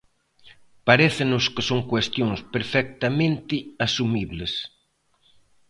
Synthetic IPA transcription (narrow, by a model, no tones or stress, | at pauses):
paɾeθɪnʊskɪsoŋkwest̪joŋspeɾfɛk̚t̪amẽnt̪ɪasumiβlɪs